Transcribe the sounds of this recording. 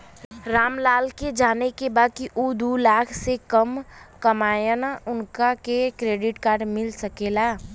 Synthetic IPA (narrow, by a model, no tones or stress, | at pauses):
ɾaːmlaːlked͡ʒaːnekebaːd̪̚kiʔud̪ulaːkʰsekəmkəmaːjənaʊnkakekɾeːɖɪʈkaːɾɖmɪlsəkeːlaː